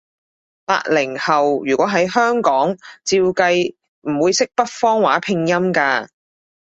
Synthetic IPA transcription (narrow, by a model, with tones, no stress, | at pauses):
pa̰ː˧t̚lɪ˨˩ŋhɐ˨wjyː˨˩kʷɔː˨˥ɦɐ˨˥jhœː˥ŋkɔː˨˥ŋt͡siː˧wkɐ˧j | m̩˨˩wuː˨˧jsɪ˥k̚pɐ˥t̚fɔː˥ŋwaː˨˥pʰɪ˧ŋjɐ˥mkaː˧